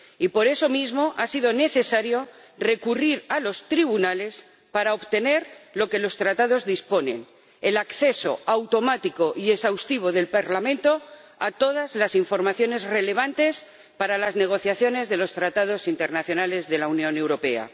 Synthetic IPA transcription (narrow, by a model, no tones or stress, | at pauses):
ipo̞ɾe̞so̞mizmo̞ʔasiðo̞ne̞θe̞saɾjo̞ | re̞kuriɾalo̞st̪ɾiβunale̞s | paɾaoβt̪e̞ne̞ɾlo̞ke̞lo̞st̪ɾat̪að̞o̞zðispo̞nẽ̞̰n | elakθe̞so̞̰awt̪o̞mat̪iko̞ʔie̞sawst̪iβ̞o̞ðe̞lpaɾlamẽ̞nt̪o̞ | a̰t̪o̞ð̞azlasiɱfo̞ɾmaθjo̞ne̞zre̞le̞β̞ant̪e̞s | paɾalazne̞ɣ̞o̞θjaθjo̞ne̞zðe̞lo̞st̪ɾat̪að̞o̞sint̪eɾnaθjonale̞zðe̞launjõne̞wɾo̞pe̞a̰